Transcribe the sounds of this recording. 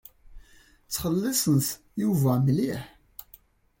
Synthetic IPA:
t͡sːχəlːisˤənθ | juvæmliħ

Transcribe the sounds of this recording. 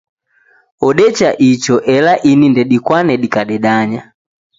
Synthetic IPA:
ɔɗɛt͡ʃaʔit͡ʃɔʔɛlaʔinindɛɗikwanɛɗikaɗɛɗaɲa

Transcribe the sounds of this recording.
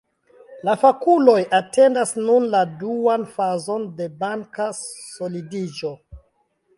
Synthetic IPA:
lafakulo̞jʔate̞ndasnunladuanfazo̞nde̞baŋkaso̞lidid͡ʒo̞

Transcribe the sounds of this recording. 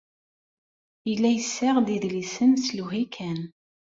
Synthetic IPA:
əlːæjəsːaʁd̪iðlisənsluɦikʰæn

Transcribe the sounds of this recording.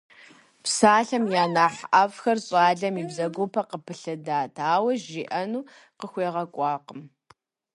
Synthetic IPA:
psaːɬɐmjaːnaːħʔɐvxɐrɕʼaːɮɐmiːbzɐɡʷopʰɐqəpʰɨɬɨdaːtʰaːwɐʒiːʔɐnuː | qəxʷeːʁɐkʷʼɑːqəm

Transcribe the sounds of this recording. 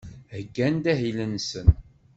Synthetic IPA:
həɡːænd̪æɦilənsən

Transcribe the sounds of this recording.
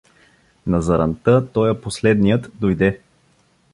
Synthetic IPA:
nɐzɐɾɐnt̪ɤt̪ɔjəposlɛd̪nijət̪d̪ojd̪ɛ

